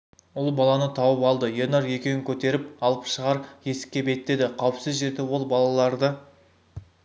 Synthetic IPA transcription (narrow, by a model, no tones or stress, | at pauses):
ʊlˠbɑlˠɑnət̪ʰɑwəpɑlˠd̪əjenɑɾje̞kʲewɪŋkʲʰɵt̪e̞ɾɪp̚ɑlˠəpʃəʁɑɾje̞sɪ̥kʲːe̞be̞t̪ːe̞d̪ɪqʰɑwəpsɪzʒe̞ɾd̪ɪwo̞lˠbɑlˠɑlˠɑɾd̪ə